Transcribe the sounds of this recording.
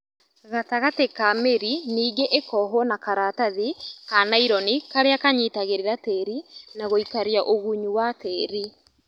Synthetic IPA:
ɣataɣatekameɾiniːɡeʔekɔɦɔnakaɾataðikanaiɾɔnikaɾeakaɲitaɣeɾeɾatɛːɾinaɣoikaɾjaʔoɣuɲuwatɛːɾi

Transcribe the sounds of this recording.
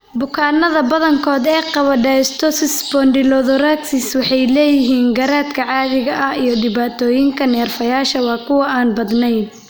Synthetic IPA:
bʊkʰaːnɐðɐbɐðɐŋkʰɔːd̪ɛːqɑβɐɖɛɪst̪ʰɔsɪsbɔndɪlɔðɔraksɪswɑħɑjlɛːjɪɦiːnɡɐɾaːd̪kʰɐʕɑːðɪɣɐʔɐijɞɖɪβaːt̪ʰɔːjɪŋkʰɐnɛːrfɐjaːʃɐwɑːkʰʊwɐaːnbɐd̪nɛjn

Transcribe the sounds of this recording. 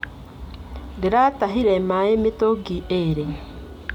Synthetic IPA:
diɾataɦiɾemaemetoɡieɾe

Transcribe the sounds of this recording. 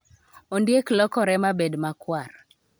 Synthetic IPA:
ondjeklɔkɔɾɛmabedmakwar

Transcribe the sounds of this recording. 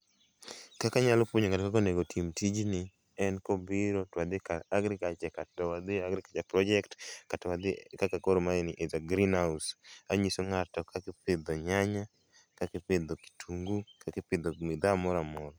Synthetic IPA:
kakaɲalɔpwoɲoŋatkak̬ɔneɡotʰimtid͡ʒnɪ | ɛnkɔbɪɾotwad̪ɪkaaɡɾɪkat͡ʃɛkatɔwad̪ɪaɡɾɪkat͡ʃɛpɾɔd͡ʒɛktkatɔwad̪ɪkakakoɾmaɛnɪʔezaɡɾinhausaɲisoŋatɔkakɪpɪd̪ɔɲaɲa | kakɪped̪ɔki̥tʰuŋɡukakɪpɪd̪ɔmɪd̪amɔɾamɔɾɔ

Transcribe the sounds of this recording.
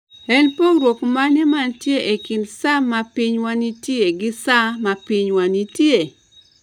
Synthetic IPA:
ɛnpoɾwokmanɛmantjeʔekindsamapiɲwanitjeɡɪsamapiɲwanitje

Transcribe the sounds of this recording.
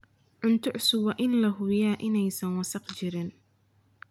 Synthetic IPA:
ʕʊnt̪ʰʊʕsʊwɐʔɪnːɐɦʊjaːʔɪnɛjsɐnwɐsɑqt͡ʃɪɾɪn

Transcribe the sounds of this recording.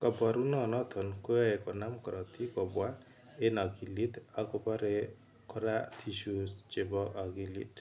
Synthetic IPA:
kɔbaɾunɔnɔt̪ʰɔnkuaekɔnamkɔɾɔt̪ʰikɔbwa | enaɡilit̪akɔpaɾe | kʰɔɾat̪ʰisust͡ʃebɔaɡilḭt

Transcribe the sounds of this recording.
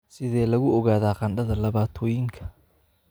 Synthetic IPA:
sɪðɛːlɐɣʊɔɣaːðaːqɑnɖɐðɐlɐβaːt̪ʰɔːjɪŋkʰɐ̥

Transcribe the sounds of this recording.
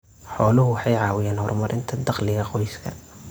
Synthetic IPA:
ħɔːlʊɦʊwɑħɑjʕɑːwɪjaːnhɔrmɐɾʔɪnt̪ʰɐd̪ɑqlɪɣɐqɔjskʰɐ̰

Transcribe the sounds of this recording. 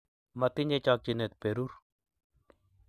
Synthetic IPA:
mɐt̪iɲd͡ʑet͡ʃaːk̚t͡ʃinet̪̚peɾuɾ

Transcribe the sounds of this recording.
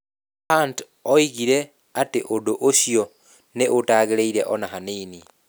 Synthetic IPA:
haːnt | ɔiɣiɾe | ateʔodoʔoʃjɔ | neʔotaːɣeɾeiɾeʔɔnaɦaneːni

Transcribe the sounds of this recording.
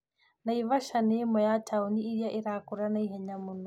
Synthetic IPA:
naiβaʃanemɔjatʰauniiɾjaʔiɾakuɾanaiɦɛɲamunu

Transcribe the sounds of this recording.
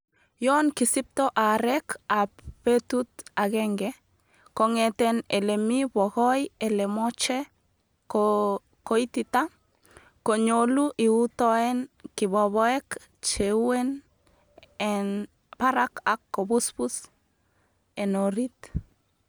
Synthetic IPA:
jonkisip̚t̪oʔaɾɛkappet̪ut̪aɡeŋɡe | koŋet̪enelemiboɣojelemot͡ʃe | ko | kojt̪it̪a | koɲoluʔiut̪oenkiboβoek | t͡ʃewen | ɛn | paɾakakːobuspus | enoɾit̪

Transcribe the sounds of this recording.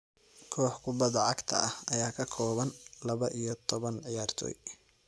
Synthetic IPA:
kʰɔːħkʰʊbɐðɐʕɑɡt̪ʰɐ̰ʔɐhɐjaːkʰɐkʰɔːβɐnlɐβɐʔijɞt̪ʰɔβɐnʕɪjaːrt̪ʰɔ̰ːj

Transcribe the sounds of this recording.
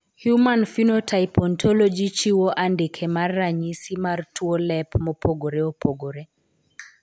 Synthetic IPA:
hjumanfinotʰaipɔntʰɔlɔd͡ʒit͡ʃiwoʔandɪkʰɛmarːaɲisimartʰuolɛpmɔpʰoɡoɾeopʰoɡoɾe

